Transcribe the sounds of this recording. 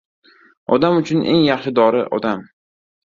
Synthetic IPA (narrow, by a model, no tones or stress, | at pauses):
ɒ̰d̪amʊt͡ʃʰʊnḛŋjɑχʃɪd̪ɒɾɪʔɒ̰d̪am